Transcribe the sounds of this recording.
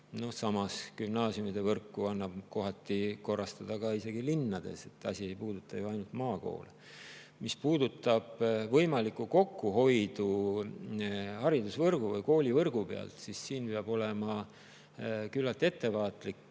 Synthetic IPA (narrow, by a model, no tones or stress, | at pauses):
no̞hsɑmɑskymnɑːsjumid̪̥e̞vɤrkːuɑnːɑb̥ko̞ɦɑt̪ːˑiko̞rɑst̪ɑd̪̥ɑkɑise̞ɡ̥ilinːɑd̪̥e̞̰se̞t̪ːˑɑ̰sʲie̞jpuːd̪̥ut̪ːˑɑjoɑjnult̪mɑːko̞̰ːle | mispuːd̪ut̪ːˑɑb̥vɤjmɑlikːˑuko̞kːuɦo̞jd̪̥u | hɑɾid̪usvɤrɡ̥uvɤjko̞ːlʲivɤrɡ̥upeɑ̰lt̪sisːiːnpe̞ɑb̥o̞le̞mɑ | kylːɑlt̪ːˑe̞t̪ːe̞vɑːt̪ˑlik